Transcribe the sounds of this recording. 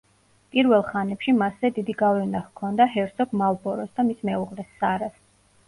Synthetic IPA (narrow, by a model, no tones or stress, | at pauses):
pʼiɾvɛlˠχanɛpʃimasɛd̪id̪iɡavɛnahkʰɔnd̪aɦɛɾt̪sɔɡmalˠbɔɾɔsd̪amismɛuʁlɛsːaɾas